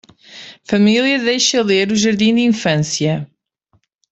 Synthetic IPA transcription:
fɐmilˠjɐðejʃɐlˠeɾuʒɐɾðĩd̪ĩfɐ̃sjɐ

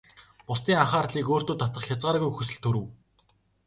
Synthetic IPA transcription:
pʊst̪iːŋaχaːrt̪ɮiːkoːr̥t̪oːt̪ʰat̪ə̆χxʲat͡sʁaːɾɣujxɵsɵ̆ɮt̪ʰɵɾɘ̆w

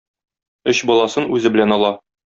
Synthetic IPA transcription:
ɵɕbɒlˠɑsɤnʉzɘ̆bɘ̆lænɒlˠɑ

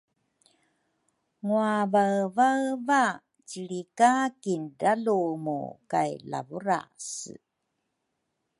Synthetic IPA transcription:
ŋuavaɰvaɰva | ciɭikakindalumṵkajla̰vuɾa̰s

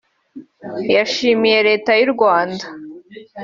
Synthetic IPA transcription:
jaʃimijeɾe̞ːtajiɾɡwaːnda

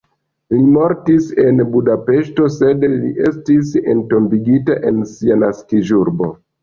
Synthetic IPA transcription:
limo̞ɾtise̞nbudape̞ʃto̞se̞dliʔe̞stisḛnto̞mbiɡitaʔe̞nsianaskiʒuɾbo̞̰

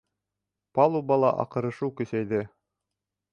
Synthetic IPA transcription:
pɑlˠubɑlˠɑʔɑ̰qɤ̆ɾɤ̆ʃɤwkɵ̆sæjðɘ

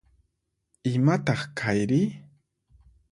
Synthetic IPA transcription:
ɪmat̪ɑχkʰajɾɪ

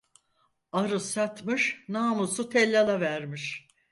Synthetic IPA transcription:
aɾɯsat̪mɯʃnaːmusut̪ʰɛlʲːalˠavæɾmiʃ

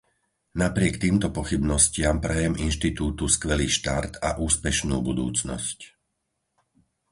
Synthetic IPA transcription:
napɾɪɛkt̪iːmt̪ɔpɔxibnɔscɪampɾɛjɛminʃt̪it̪uːt̪uskʋɛliːʃt̪aɾt̪a̰ʔuːspɛʃnṵːbud̪ṵːt͡snɔ̰sc

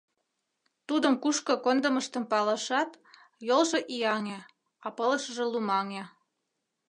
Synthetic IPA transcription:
t̪ud̪əmkuʃkɤ̆kond̪əməʃt̪əmpɑləʃɑt̪ | jolʒeʔijɑŋe | ɑpələʃəʒĕlumɑŋe

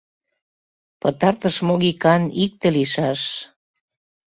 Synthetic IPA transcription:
pət̪ɑrt̪əʃmoɣikɑnik̚t̪eliʃɑʃ

